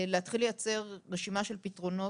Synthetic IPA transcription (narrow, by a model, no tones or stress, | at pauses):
leat̪χilejat͡se̞ʁːeʃimaʃe̞lpitʁo̞no̞